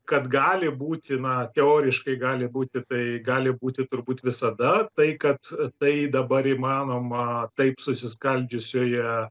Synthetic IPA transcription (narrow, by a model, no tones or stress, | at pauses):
kɐt̪ɡɑːlʲɪbuːt̪ʲɪnɐt̪ʲɛoːɾʲɪʃkɐɪɡɑːlʲɪbuːt̪ʲɪt̪ɐɪɡɑːlʲɪbuːt̪ʲɪt̪ʊrbuːt̪ʋʲɪsɐd̪ɐt̪ɐɪkɐt̪t̪ɐɪd̪ɐbɐɾimɑːnoːmɐt̪ɐɪpsʊsʲɪskɐlʲd͡ʒʲʊsʲoːjɛ